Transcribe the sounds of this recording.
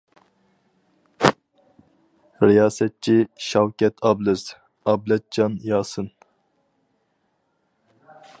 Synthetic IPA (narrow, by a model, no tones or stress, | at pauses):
ɾijɑːsɛt̪̚t͡ʃʰiʃɑwkʲɛt̪ʰɑblɨz̥ | ɑblɛt̪̚d͡ʒɑnjɑːsɨn